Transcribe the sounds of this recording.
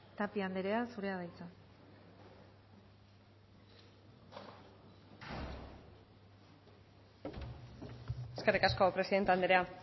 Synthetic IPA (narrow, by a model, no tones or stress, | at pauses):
t̪apiand̪eɾe̞asuɾe̞að̞ajt͡sa | eskerikaskopɾe̞siðe̞nt̪eand̪eɾea